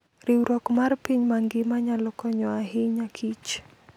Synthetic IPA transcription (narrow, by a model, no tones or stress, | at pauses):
ɾiuɾɔkmarpiɲmaŋɡɪmaɲalɔkɔɲɔaɦiɲakʰit͡ʃ